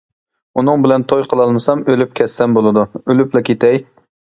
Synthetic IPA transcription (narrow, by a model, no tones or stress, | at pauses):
unɨŋbɪlɛnt̪ʰojqʰəlˠɑlˠmɨsɑmølyp̚kʲʰɛsːɛmbolˠɨd̪uølyplɛkʲʰet̪ʰɛj